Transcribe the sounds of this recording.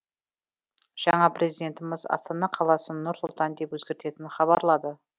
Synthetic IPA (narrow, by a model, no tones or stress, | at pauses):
ʒ̥ɑɴɑprɾʲe̞zijd̪ʲe̞nt̪əmɪzɑ̰st̪ɑnɑqʰɑlˠɑsənʊɾsʊlˠt̪ɑnd̪e̞pwɵzɡʲe̞ɾt̪e̞t̪ɪnχɑβɑɾlˠɑd̪ə